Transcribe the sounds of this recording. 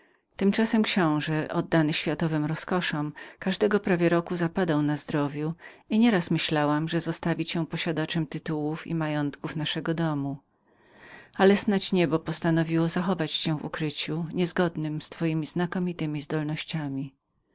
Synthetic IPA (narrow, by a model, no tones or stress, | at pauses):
t̪ɘmt͡ʂasɛmkɕɔ̃w̃ʐɛʔɔd̪ːanɘɕfʲjat̪ɔvɘmɾɔskɔʂɔmkaʐd̪ɛɡɔpɾavʲjɛɾɔkuzapad̪awnazd̪ɾɔvʲju | iɲɛɾasmɘɕlawamʐɛzɔst̪avʲit͡ɕɛ̃pɔɕad̪at͡ʂɛmt̪ɘt̪uwufḭmajɔnt̪kufnaʂɛɡɔd̪ɔmu | alɛsnat͡ɕɲɛbɔpɔst̪anɔvʲiwɔzaxɔvat͡ɕɕɛ̃vṵkɾɘt͡ɕuɲɛzɡɔd̪nɘmst̪fɔjimʲiznakɔmʲit̪ɘmʲizd̪ɔlnɔɕt͡ɕamʲi